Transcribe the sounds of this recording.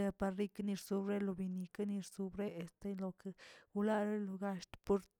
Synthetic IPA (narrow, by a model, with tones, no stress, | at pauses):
e˧pa˧ɾɾi˦kni˧ɾsu˧bɾe˦lo˧bi˧ni˧ka˦ni˧ɾsu˧bɾe˦e˨st̪e˦lo˧ke˧u˧la˦ɾe˦lo˧ɡa˧ʃt̪po˦ɾ